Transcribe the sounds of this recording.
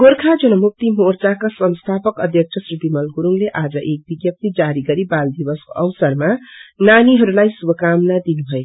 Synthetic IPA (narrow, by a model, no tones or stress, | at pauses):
ɡ̥orkʰad͡zʌnʌmuk̚t̪imort͡sakasʌnst̪ʰapʌkʌd̪ʱjʌk̚t͡sʰʌsribimʌlɡuɾuŋleʔad͡zʌʔek̚biɡjʌp̚t̪id͡zaɾiɡʌɾibald̪ibʌsko̰ʔʌwsʌrmananiɦʌɾulajsubʌkamnad̪inubʱʌe